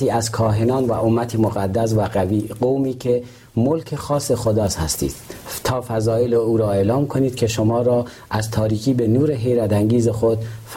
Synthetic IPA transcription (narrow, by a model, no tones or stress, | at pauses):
iːæzkʰɒːɦenɒːnvæ̰ʔomːæt̪ʰemoɣæd̪ːæs̬væɡæviːɡowmiːkʰe | molkʰe̞xɒːse̞xod̪ɒːshæst̪ḭːd̪̥t̪ʰɒːfæzɒːjeleuːɾɒːeːlɒːmkʰoniːd̪̥̚kʲʰe̞ʃomɒːɾɒː | ʔæzt̪ʰɒːɾiːkʰiːbe̞nuːɾe̞ɦe̞jɾæd̪æŋɟiːzexod̪f